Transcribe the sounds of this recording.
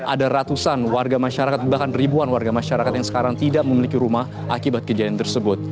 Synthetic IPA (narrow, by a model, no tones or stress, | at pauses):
ʔadaɾat̪usanwarɡamaʃaɾakat̪̚bahkanribuanwarɡamaʃaɾakat̪jaŋsə̥kaɾaŋt̪idaʔməmilikiɾumah | ʔa̰kibat̪̚kəd͡ʒadiant̪ərsəbʊt̪̚